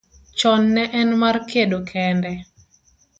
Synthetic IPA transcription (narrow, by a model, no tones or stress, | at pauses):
t͡ʃɔnːɛʔɛnmarkedokʰɛndɛ